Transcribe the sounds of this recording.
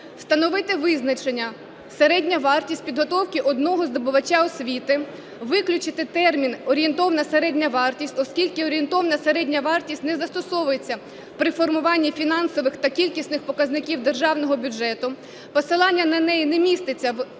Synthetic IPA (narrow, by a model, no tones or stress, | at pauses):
st̪ɐnɔʋɪt̪ɪʋɪznɐt͡ʃenʲːɐ | seɾɛdʲnʲɐʋɑrtʲisʲt̚ʲpʲid̪ɦɔt̪ɔwkʲɪʔɔd̪nɔɦɔzd̪ɔbʊʋɐt͡ʃːaɔsʲʋʲit̪ɪ | ʋɪklʲʊt͡ʃɪt̪ɪt̪ɛrmʲinɔɾʲient̪ɔʋɐnɐseɾɛdʲnʲɐʋɑrtʲisʲtʲɔskʲilʲkɪɔɾʲent̪ɔʋɐnɐseɾɛdʲnʲɐʋɑrtʲisʲtʲnɛzɐst̪ɔsɔʋʊjet͡sʲːɐ | pɾɪfɔrmʊʋɑnʲːifʲinɑnsɔʋɪxt̪ɐkʲilʲkʲisnɪxpɔkɐznɪkʲiwd̪erʒɑwnɔɦɔbʲʊd͡ʒɛt̪ʊ | pɔsɪlˠɑnʲːɐnɐnɛjinɛmʲist̪ɪt͡sʲːɐw